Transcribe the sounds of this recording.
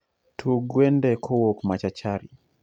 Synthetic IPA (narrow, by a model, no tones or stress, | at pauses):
tʰuɡwendɛkʰowokmat͡ʃat͡ʃaɾi